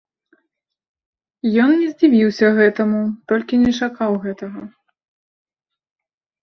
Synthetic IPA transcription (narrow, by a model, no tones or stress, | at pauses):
jɔnːʲɛzʲd͡zʲivʲiwsʲɐɣɛt̪ɐmut̪ɔlʲkʲinʲɛt͡ʂakawɣɛt̪ɐɣɐ